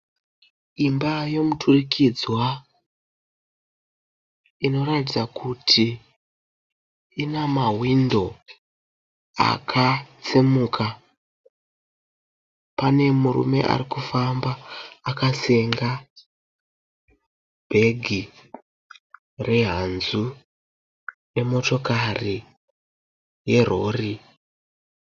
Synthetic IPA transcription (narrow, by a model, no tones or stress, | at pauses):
imbajo̞mutʰurikʰid͡zwa | ino̞ɾatid͡zakʰutʰi | inamaɦwindo̞ | a̰kʰat͡simuːkʰa | pane̞murṵme̞̰ʔa̰rikufambaːkaseŋɡa | b̥ʱe̞ɡʱi | re̞ɦanzu | ne̞mo̞to̞kari | je̞ro̞ri